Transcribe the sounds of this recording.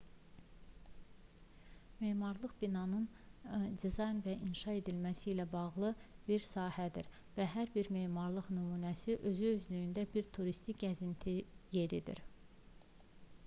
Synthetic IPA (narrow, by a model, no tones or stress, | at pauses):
me̞ːmɑɾlˠɯχbinɑnɯn | d̪izɑjnvæʔinʃɑe̞d̪ilmæsiːlæbɑʁlˠɯb̥iɾsɑːhæd̪iɾ | væɦæɾbiɾme̞ːmɑɾlˠɯʁnymuːnæsiʔø̞zyøzlyjynd̪æbiɾt̪ʰuɾist̪ikɟæzint̪ʰije̞ɾid̪ḭɾ